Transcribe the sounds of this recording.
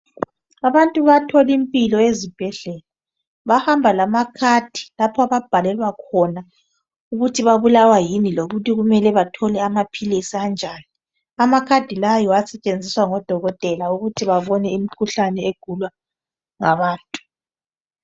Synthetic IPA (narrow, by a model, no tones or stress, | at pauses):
aβantʼuβatʰɔlimpʼilɔezib̥ʱɛɮɛla | βahambʱalamakʰad̥ʱi̥lapʰɔaβab̥ʱalɛlwakʰɔna | uɣutʰiβaβulawajiniloɣutiɣumɛlɛβatʰɔlɛamapʰilisiand͡ʒʱaːni | amakʰad̥ʱilajɔasɛt͡ʃʼend͡zʱiswaŋɔd̥ʱɔɣɔtʼɛlauɣutʰiβaβɔnɛimikʰuɬanɛeɡ̥ʱulwa | ŋaβaːntʼu̥